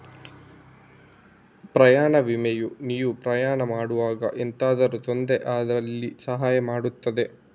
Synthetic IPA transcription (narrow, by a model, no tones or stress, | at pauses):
pɾɐjaːɳɐʋimɛjuniːʋupɾɐjaːɳɐmaːɽuʋaːɡɐ̰ʔent̪aːd̪ɐɾut̪o̞nd̪eʔaːd̪ɐɾɐlːisɐɦaːjɐmaːɽut̪ːɐd̪e̞